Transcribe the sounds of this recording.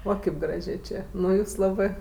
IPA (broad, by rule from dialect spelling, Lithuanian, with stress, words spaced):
ˈoː ˈkʲeːp ˈɡrɑːʒʲeː ˈt͡ʃʲeː ˈnʊ ˈjuːs ˈlˠɑːbɜ